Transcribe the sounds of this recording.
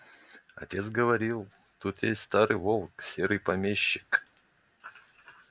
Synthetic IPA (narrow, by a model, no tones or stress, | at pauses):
ɐ̰tʲet̪sɡəvɐɾʲilˠ | t̪ut̪jesʲtʲst̪aɾɨjvolˠksʲeɾɨjpɐmʲeɕːɪ̥k